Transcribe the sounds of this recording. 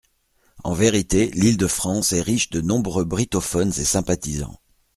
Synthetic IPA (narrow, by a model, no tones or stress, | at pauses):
ɑ̰̃veʁit̪elild̪əfχɑ̃sɛʁiʃd̪ənɔ̃bʁøbʁit̪ɔfɔnzesɛ̃pat̪izɑ̰̃